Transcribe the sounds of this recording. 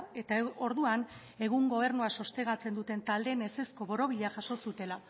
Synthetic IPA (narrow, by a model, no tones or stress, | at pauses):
et̪ao̞ɾðuan | e̞ɣuŋɡo̞β̞e̞ɾnuaso̞st̪e̞ɣ̞at͡se̞nd̪ut̪e̞nt̪ald̪e̞ːne̞se̞sko̞βo̞ɾo̞βiʎeaʝaʃo̞sut̪e̞la